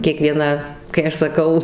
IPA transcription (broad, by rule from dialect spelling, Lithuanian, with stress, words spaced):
kʲiɛˈkʋʲiɛnɐ kɐɪ ˈɐʃ sɐˈkɐʊ